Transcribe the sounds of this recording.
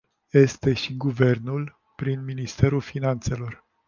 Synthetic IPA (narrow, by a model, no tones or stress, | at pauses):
je̞st̪e̞ʃiɡuve̞rnul | pɾinminist̪e̞ɾulfinant̪se̞lo̞r